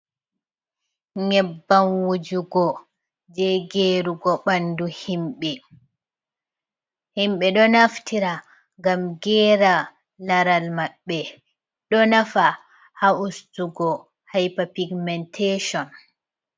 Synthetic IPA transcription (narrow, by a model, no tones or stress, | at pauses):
ɲɛbːanwud͡ʒuɡɔ | d͡ʒɛɡeɾuɡɔɓanduhimɓɛ | himɓɛɗɔnaftʰiɾa | ŋɡamɡɛːɾa | laɾalmaɓːɛ | ɗɔnafa | haustuɡɔ | hajpapiɡmɛntʰeʃɔn